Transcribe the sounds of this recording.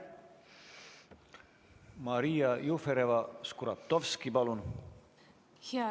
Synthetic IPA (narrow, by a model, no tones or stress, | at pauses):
mɑɾiːɑjufeɾevɑskuɾɑt̪ːovskipɑlun | h